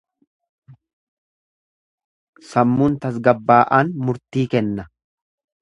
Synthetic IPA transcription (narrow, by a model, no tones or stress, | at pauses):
sɐmːʊnt̪ɐs̬ɡɐbːaːʔaːnmʊɾt̪iːkɛnːɐ